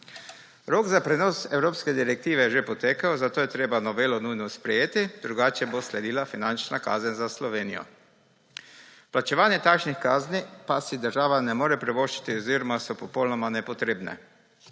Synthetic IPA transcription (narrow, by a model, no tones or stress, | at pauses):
ɾoːɡzapɾɛnoːsɛwɾoːpskɛd̪iɾɛk̚t̪iːʋɛjɛʒepɔt̪eːkawzat̪oːjɛt̪ɾeːbanɔʋeːlɔnujnɔspɾɛjeːt̪id̪ɾuɡaːt͡ʃɛboslɛd̪iːlafinant͡ʃnaka̰ːzənzaslɔʋeːnijɔ̰ | plat͡ʃɛʋaːnjɛt̪akʃnixkaːznipasid̪əɾʒaːʋanɛmoːɾɛpɾɛʋoʃt͡ʃi̥t̪iɔziːɾɔmasɔpɔpowlnɔmanɛpɔt̪ɾeːbnɛ̰